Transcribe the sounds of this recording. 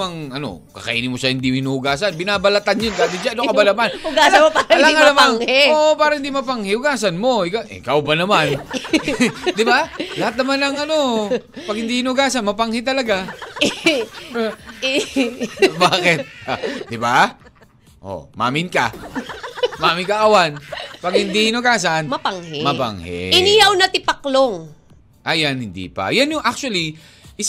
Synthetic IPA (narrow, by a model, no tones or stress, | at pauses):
mɐŋɐno̞̰ | kɐ̰kɐ̰ʔiːnɪmoʃɐhɪnd̪iɪnuːʊɡaːsɐnbɪnaːbɐlɐt̪anjond̪aːt̪ɪd͡ʒaʔɐnokɐbɐlamanʊɡaːslɐopaalaŋanɐmaŋoʔpaːɾɐhɪnd̪imɐpaŋhɪʔʊɡaːsɐnmo̞ɪkaʔɪkawbɐnɐman | d̪ɪbalɐhat̪̚nɐmanɐŋʔɐno̞pɐɡ̚hɪnd̪ihɪnʊɡaːsɐnmɐpaŋhɪt̪ɐlɐɡa | baːkɪt̪̚d̪ɪba | ʔo̰ma̰ːmɪnkɐ̰ | maːmɪnkɐʔɐwanpɐɡ̚hɪnd̪ihɪnoɡaːsɐnmɐpaŋhɛmɐpa̰ŋhɛ̰ʔɪnihɐwnɐt̪ɪpakloŋ | ʔɐjanhɪnd̪ḭːpɐ̰janjʊŋʔak̚t͡ʃuɐli | ʔɪs